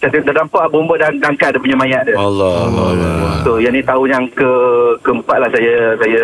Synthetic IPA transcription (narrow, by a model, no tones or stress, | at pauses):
t͡ʃat̪id̪adampaʔabombədandaŋkaʔdəpuɲəmajaʔdəalɔlɔlt̪ojanit̪auɲaŋkəkəmpaʔlasajəsajə